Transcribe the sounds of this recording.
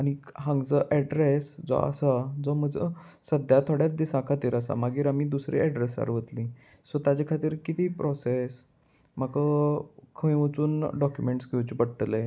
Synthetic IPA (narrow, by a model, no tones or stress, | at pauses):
añiɦãŋɡt͡səʔɛɖɾesd͡zɔ̰a̰sad͡zɔməd͡zə̰səd̪ʱjat̪ʰoɽjat͡sd̪isãkʰat̪iːɾəsa̰maɡiːɾamiːd̪usɾʔḭɛɖɾesa̰ɾʋət̪lĩː | sɔt̪jad͡ʑekʰat̪iːɾkit̪iːpɾʔɔses | makəkʰəĩʋət͡suːnɖɔkjumeɳʈsɡewt͡ɕibəɽʈle